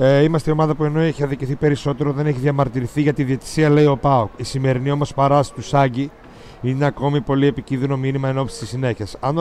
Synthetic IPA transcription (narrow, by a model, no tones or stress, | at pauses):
eimɐst̪eio̞mɐðɐpue̞no̞eçiɐðiciθipe̞ɾiso̞t̪e̞ɾo̞ðe̞neçiðʝɐmɐɾt̪iɾiθiʝɐt̪iðie̞t̪i̥siɐle̞io̞pɐokisime̞ɾinio̞mo̞spɐɾɐst̪usɐɲɟi | ineɐko̞mipo̞lie̞picinðino̞minimɐe̞no̞psi̥t̪isine̞çesɐn